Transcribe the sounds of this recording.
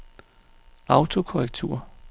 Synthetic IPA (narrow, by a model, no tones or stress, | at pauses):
ɑ̈ʊt͡sʰo̝kʰɒʁɛɡ̥̚t͡sʰṵɐ